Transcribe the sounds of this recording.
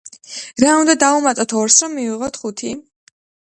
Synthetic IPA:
ɾaũnd̪ad̪aumat̪ʼɔt̪ʰɔɾsɾɔmːiviʁɔt̪ʰχut̪ʰi

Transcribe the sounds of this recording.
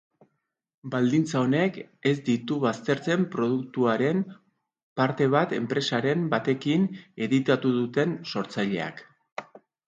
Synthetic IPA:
bald̪int͡sao̞ne̞ke̞zd̪it̪uβast̪e̞ɾt͡se̞mpɾo̞ð̞ukt̪uaɾe̞m | paɾt̪e̞β̞at̪e̞mpɾe̞saɾe̞mbat̪e̞kine̞ðit̪at̪uðut̪e̞nso̞ɾt͡sajʎe̞a̰k

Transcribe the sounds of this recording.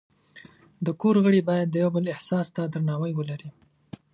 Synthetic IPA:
d̪əkoɾɣəɽibɑjad̪ːəjawbəlɪhsɑst̪ad̪ɾnɑwəjwəlaɾi

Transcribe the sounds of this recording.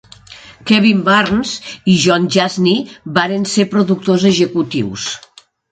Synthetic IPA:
kɛβimbaɾnziʒɔnʲʒazniβaɾensepɾoðuk̚t̪ozeʒekut̪ḭws

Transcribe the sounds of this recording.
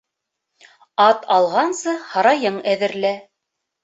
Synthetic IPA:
ɑt̪ɑlˠʁɑnsɤhɑɾɑjɤɴæðɘ̆ɾlæ

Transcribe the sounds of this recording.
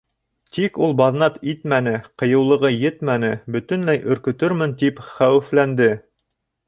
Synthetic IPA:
t̪ikulˠbɑðnɑt̪it̪mænɘqɤ̆jɤ̆wlˠɤ̆ʁɤjɘt̪mænɘbɵ̆t̪ɵ̆nlæjʔɵ̆ɾkɵ̆t̪ɵɾmɘnt̪ipχæwɘ̆flænd̪ɘ

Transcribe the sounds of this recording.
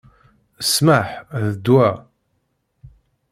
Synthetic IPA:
əsmaħðəd̪wæ

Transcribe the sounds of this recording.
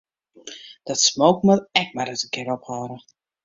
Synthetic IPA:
d̥ɔtsmoːkməlɛk̚madətənkɪɾɔphɔːɾə

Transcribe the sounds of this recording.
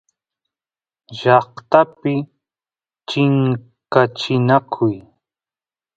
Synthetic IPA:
ʒɑχt̪apɪ | t͡ʃɪŋ | kat͡ʃɪnakʰʊj

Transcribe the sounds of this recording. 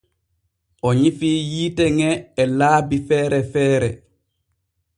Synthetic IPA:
ʔɔɲifiːjiːtɛŋɛːlaːbifɛːɾɛfɛːɾɛ

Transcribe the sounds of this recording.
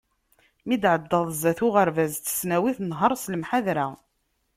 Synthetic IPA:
mid̪ʕəd̪ːəðˤzæθʊʁəɾvæzt̪ːə̥snæwiθnɦəɾˤsləmħaðɾa

